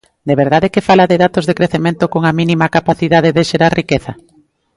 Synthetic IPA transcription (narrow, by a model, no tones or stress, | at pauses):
d̪eβeɾðaðekefalaðeðat̪ozðekɾeθemẽnt̪okoŋɐminimɐkapaθiðaðeðeʃeɾaɾrikeθɐ